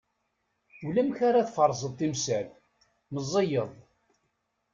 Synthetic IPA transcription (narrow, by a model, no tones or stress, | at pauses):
ulæmçaɾaθfəɾˤːzˤəðˤt̪ːimsæl | məzˤːəjəðˤ